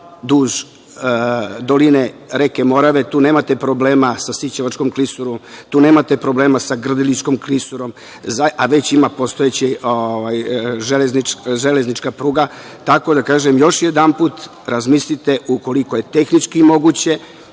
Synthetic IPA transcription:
d̪uːʒ | d̪o̞lineɾekemo̞ɾaʋet̪uːne̞ːmat̪epɾo̞ble̞ːmasasit͡ɕaʋat͡ʃkomklisuɾomt̪uːne̞ːmat̪epɾo̞bleːmasaɡr̩d̪ilit͡ʃko̞mklisuɾo̞m | zaaʋet͡ɕimapo̞st̪ojet͡ɕeoʋajʒelezniʒele̞znit͡ʃkapɾuːɡa | t̪ako̞d̪akaːʒemjo̞ʃjed̪anpuːt̪ | ɾʔazmislit̪e̞ʔuko̞liko̞je̞t̪e̞xnit͡ʃkimo̞ɡut͡ɕe̞

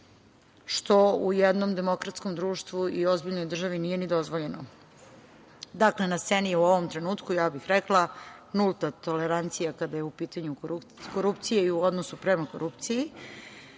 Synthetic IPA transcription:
ʃt̪o̞ujɛd̪no̞md̪e̞mo̞kɾat̪sko̞md̪ɾuːʃt̪ʋuio̞zbiʎno̞jd̪r̩ʒaʋinije̞nid̪o̞zʋoʎe̞no | d̪akle̞nast̪senijɛuoʋomt̪ɾe̞nuːt̪kujaːbixɾɛklˠanulˠt̪at̪oleɾant̪sijakad̪ajeupiːt̪aɲu | koɾupt̪sijeiuo̞d̪nosupɾemakoɾʔupt̪siji

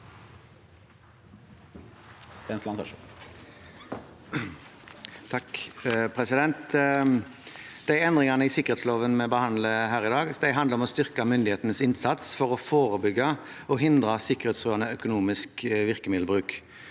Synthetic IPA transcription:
st̪enslɑnt̪ɑʃ | t̪ʰɑkpʰʁɛsɪd̪ɛnt̪ | d̪̥æɛnd̪ʁɪŋɑnəɪsɪkːəʁeːt̪sloːʋənmɛbəhɑnd̪ləɦæːʁɪd̪ɑːɡd̪æɪɦɑnd̪əʁɔmɔst̪ʏʁkɑmʏnd̪ɪheːt̪ənəsɪnsɑt̪sfɔʁɔfoːʁəbʏɡːə | ɔɦɪnd̪ʁəsɪkəʁeːt̪sʁuːɑnəœkʊnuːmɪskʋɪʁkəmɪd̪l̩bʁʉːk

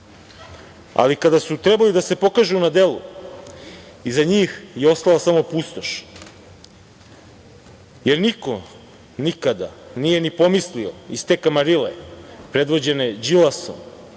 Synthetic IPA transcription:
a̰likad̪asut̪ɾebalid̪ase̞po̞kaʒunad̪elṵ | izaɲiːxjeo̞st̪alasamo̞pust̪o̞ʃ | jeɾniko | nikad̪a̰nije̞nipo̞mislioist̪ekamaɾilḛpɾe̞d̪ʋo̞d͡ʑe̞ne̞d͡ʑilaso̰m

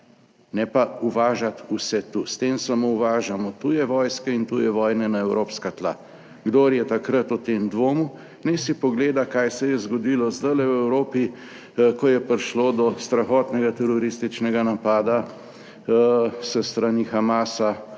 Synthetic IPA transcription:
nɛpauʋaːʒat̪usɛt̪ust̪emsamouʋaːʒamɔt̪ujɛʋɔːjskɛint̪ujɛʋɔːjnɛnaɛwɾoːpskat̪la̰ | ɡd̪oɾjɛt̪akɾət̪ɔt̪emd̪ʋoːmu | nɛsipɔɡleːd̪akajsɛjɛzɡɔd̪ilɔzd̪ajlɛwɛwɾoːpi | kɔjɛpɾiʃloːd̪ɔst̪ɾaxɔːt̪nɛɡat̪ɛɾɔɾist̪it͡ʃnɛɡanapaːd̪a | səst̪ɾanixamaːsa

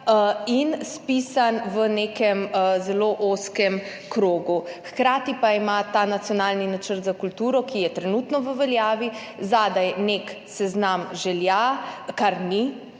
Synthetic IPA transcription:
inspisanʋənekɛmzɛloʔoskɛm | kɾoːɡuxkɾaːt̪ipaimat̪anat̪sjɔnaːlninat͡ʃəɾt̪zakult̪uːɾɔkijɛt̪ɾɛnut̪nɔʋəʋɛljaːʋi | zad̪ajnek | sɛznamʒɛljakaɾni

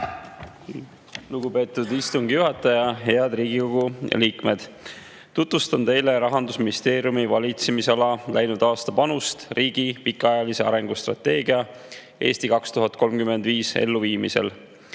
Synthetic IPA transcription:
luɡ̥upe̞ːt̪ːud̪ist̪uŋɡ̥ijuɦɑt̪ːˑɑjɑɦe̞ɑd̪̥riːɡiko̞ɡ̥uliːkme̞d̪̥ | t̪ut̪vust̪ɑnt̪e̞jle̞ɾɑɦɑnd̪usminist̪e̞ːɾijumivɑlʲit̪semisɑlɑlʔæjnud̪̥ɑːst̪ɑpɑnust̪riːɡ̥ipikːˑɑɑjɑlise̞ɑ̰ɾe̞ŋɡ̥ust̪rɑ̰t̪ːe̞ːɡiɑ | ʔe̞̰ːst̪ikɑkst̪uɦɑt̪̚ko̞lmkyme̞nd̪̥viːsḛlːuviːmise̞̰l

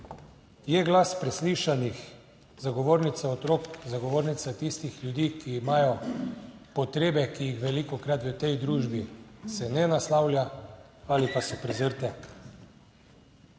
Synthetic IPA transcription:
jɛɡlaspɾɛsliʃanix | zaɡɔʋoːɾnit̪saɔt̪ɾokzaɡɔʋoːɾnit̪sat̪ist̪ixlʲjud̪iːkiːmaːjɔ | pɔt̪ɾeːbɛkijixʋɛlikɔkɾat̪ʋət̪ɛjd̪ɾuːʒbisɛnɛnaslawlʲja | alipasɔpɾɛzəɾt̪ɛ

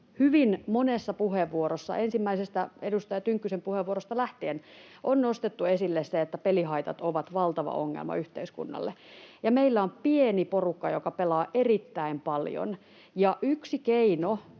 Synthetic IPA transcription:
hyʋinmonesːɑpuheʋːuoɾosːɑ̰ʔensimːæisest̪æedust̪ɑjɑt̪yŋkːysempuheʋuorost̪ɑlæht̪eːn | ʔonnost̪et̪ːuesilːesseet̪ːæpeliɦɑit̪ɑ̰t̪oʋɑt̪ʋɑlt̪ɑʋɑ̰oŋːḛlmɑ̰yht̪eiskṵnːɑ̰lːejɑmeilːæompieniporukːɑjokɑpelɑːʔerit̪ːæimpɑljo̰n | jɑʔyksikeino

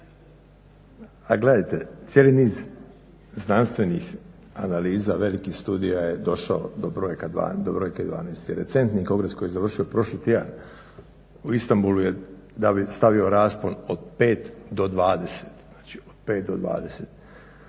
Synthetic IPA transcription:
aɡle̞d̪ajt̪e̞̰t̪sjeliniːz | znanst̪ʋe̞nix | analiːzaʋe̞likihst̪uːd̪ijaje̞d̪o̞ʃaod̪obɾojkad̪ʋa̰ːd̪obɾo̞jked̪ʋa̰ːneːst̪jeɾe̞̰tse̞nt̪niko̞ŋɡɾesko̞jijezaʋr̩ʃio̞pɾo̞ʃlit̪id̪a̰n | uist̪ambuluje̞ | d̪abist̪aʋio̞ɾaːspo̞no̞d̪̚peːt̪d̪o̞d̪ʋaːd̪e̞se̥t̪naːt͡ʃi̥od̪̥pe̞ːt̪̚d̪o̞d̪ʋa̰ːd̪e̞set̪

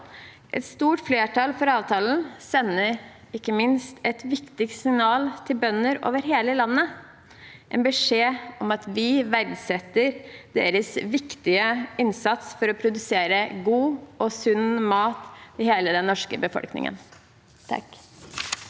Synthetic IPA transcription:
ʔɛ̰t̪st̪uːʈfleːʈʰɑlfɔɾɑːʋt̪ʰɑːln̩sɛnːəɾ | ɪkːəmɪnst̪ɛt̪ʋɪkt̪ɪksɪŋnɑːlt̪ʰɪlbœnːəɾo̰ːʋəɾɦeːləlɑnːə | ʔɛnbəʂeːɔmɑt̪ʋɪʋæɾdsɛt̪ːəɾd̪̥ḛːɾəsʋɪkt̪ɪəɪnsɑt̪sfɔɾɔpʰɾʊd̪ʉseːɾəɡuːɔsʉnmɑːt̪ɪheːləd̪ɛnnːɔʂkə̰bəfɔ̰lknɪ̰ŋə̰n | t̪ʰɑ̰k

